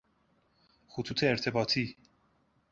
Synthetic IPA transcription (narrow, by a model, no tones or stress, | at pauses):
xʊt̪ʰuːt̪ʰeːɾt̪ʰe̞bɒːt̪ʰiː